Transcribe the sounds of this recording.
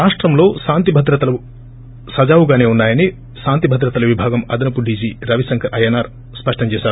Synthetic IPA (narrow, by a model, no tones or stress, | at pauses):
ɾaːʂʈɾɐmlo̞ːʃaːnt̪ibʱɐd̪ɾɐt̪ɐlɐu | sɐd͡ʒaːwuɡaːne̞ːunːaːjɐni | ʃaːnt̪ibʱɐd̪ɾɐt̪ɐlɐʋibʱaːɡɐmɐ̰d̪ɐnɐpuɖʱiːsiɾɐʋisɐŋkʰɐɾɐjɐnaːɾ | spɐʂʈɐmt͡ʃɛːʃaːɾu